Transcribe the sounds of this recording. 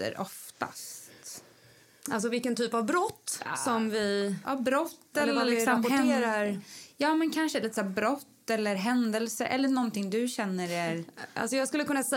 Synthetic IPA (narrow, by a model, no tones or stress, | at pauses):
ə̰ɾɔft̪a̰st̪ | ʔa̰ls̬ɔvɪlkənt̪ʰyːpavbɾɔt̪ːsɔmvɪabɾɔt̪ːɛlːəmɔʈʰeːɾaɾjɑːmɛnkʰanʂəliːt̪ə̥sæːbɾɔt̪ːɛlːəɾɦɛnd̪ɛlsəʔɛ̰lːəɳɔnt̪ɪŋd̪ɵɕɛnːəɾæɾʔa̰lsɔjɑːɡskɵləkɵnːasɛ